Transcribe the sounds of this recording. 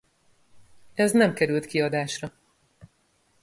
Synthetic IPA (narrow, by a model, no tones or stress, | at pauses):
ɛznɛmkɛɾylt̪kiɒd̪aːʃrɒ